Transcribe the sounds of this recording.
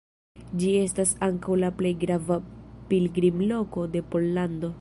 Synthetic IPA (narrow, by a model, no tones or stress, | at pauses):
d͡ʒie̞stasaŋkawlaple̞jɡɾavapilɡɾimlo̞ko̞de̞po̞lːando̞